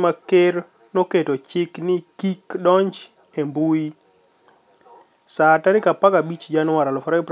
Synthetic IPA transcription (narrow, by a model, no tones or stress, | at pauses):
makeɾ | noketot͡ʃɪknɪkikdɔɲt͡ʃ | embui | sataɾɪkapakabit͡ʃd͡ʒanwaɾalɔfɔɾap